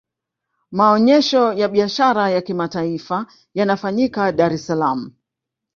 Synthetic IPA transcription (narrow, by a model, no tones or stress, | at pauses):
maɔɲɛʃɔjaɓiaʃaɾajakimataifa | janafaɲikaɗaɾɛsalam̩